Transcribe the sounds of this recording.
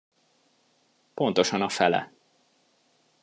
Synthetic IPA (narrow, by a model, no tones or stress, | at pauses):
po̞n̪t̪o̞ʃɒnɒfɛlɛ̰